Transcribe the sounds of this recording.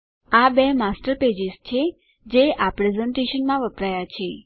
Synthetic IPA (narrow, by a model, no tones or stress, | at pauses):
abemasʈəɾped͡ʒɪzt͡ʃʰe | d͡ʒeʔapɾezeɳʈeʃənmãʋəpɾajat͡ʃʰe